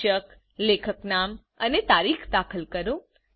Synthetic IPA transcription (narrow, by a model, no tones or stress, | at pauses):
ək | lekʰəknam | ənet̪aɾikʰd̪akʰəlkəɾũ